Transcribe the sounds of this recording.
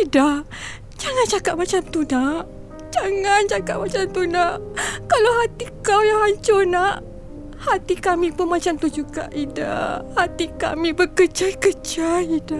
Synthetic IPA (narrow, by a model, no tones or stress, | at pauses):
idah | d͡ʒaŋãnt͡ʃakaʔ̚mat͡ʃamt̪unaʔ | d͡ʒaŋant͡ʃakaʔ̚mat͡ʃamt̪unaʔkalawɦat̪ikawjaŋaɲt͡ʃonaʔ | hat̪ikamipʊnmat͡ʃamt̪ud͡ʒuɡa̰ʔida̰hat̪ika̰mibəkət͡ʃajkət͡ʃaida